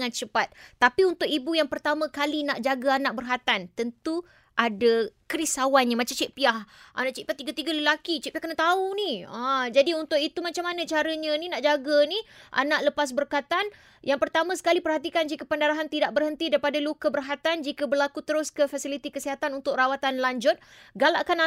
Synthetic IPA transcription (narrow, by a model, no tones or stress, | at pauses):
ŋãnt͡ʃəpat̪̚ːapiunt̪ʊkibujaŋpərt̪amãkalinaʔd͡ʒaɡaanaʔ̚bərɦat̪ant̪ənt̪u | ʔadakəɾisawanɲãmat͡ʃamt͡ʃɛʔpiahʔa̰naʔt͡ʃiʔpiaht̪iɡat̪iɡaləlakit͡ʃɛʔpiahkənat̪auniəd͡ʒadiunt̪ʊʔit̪umat͡ʃamːanə̃t͡ʃaɾəɲə̃ninaʔd͡ʒaɡəniʔa̰naʔləpas̬bərkat̪an | jaŋpərt̪amãsə̥kalipərhat̪ikand͡ʒikəpəndaɾaɦant̪idaʔ̚bərhənt̪idaɾipadalukəbərɦat̪and͡ʒikabərlakut̪əɾʊskəfasilit̪ikəsiɦat̪anunt̪ʊkrawat̪anlaɲd͡ʒʊt̪̚ɡala̰ʔkana